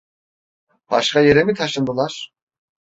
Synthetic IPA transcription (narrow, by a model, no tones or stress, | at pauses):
b̥aʃkajeɾemit̪ʰaʃɯnd̪ɯlˠaɾ̥